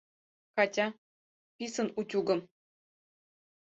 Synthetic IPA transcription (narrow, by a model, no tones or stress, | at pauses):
kɑtʲɑ | pʲisɤ̆nutʲuɡɤ̆m